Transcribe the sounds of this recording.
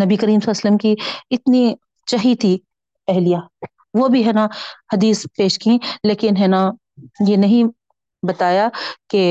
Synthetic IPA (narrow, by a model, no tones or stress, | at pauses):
nɐbikɐɾiːmsɐsələmkiɪt̪ni | t͡ʃɐɦit̪ʰi | ɛɦlijaː | ʋobʱiɦɛːnahɐd̪iːspeːʃkĩleːkɪnɦɛːna | jenɐɦĩ | bɐt̪aːjake